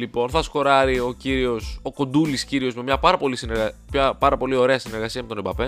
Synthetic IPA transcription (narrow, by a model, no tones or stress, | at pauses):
lipo̞nθɐsko̞ɾɐɾio̞ciɾio̞so̞ko̞nd̪ulisciɾio̞zme̞mɲɐpɐɾɐpo̞lisineɾɣɐçɐpɐɾɐpo̞lio̞ɾe̞ɐsine̞ɾɣɐsiɐme̞t̪onebɐpe̞